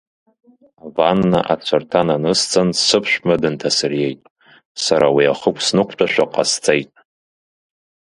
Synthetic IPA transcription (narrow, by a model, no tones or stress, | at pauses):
avanːaʔat͡ɕʷʰartʰananɨst͡sʰʼansɨpʰʃʷᶣmadɨntʰasɨrjejtʼ | saɾawiaχəkʷʰʼsnɨkʷʰʼt͡ʃʷʼaʃʷᶣaqʼa̰st͡sʼejtʼ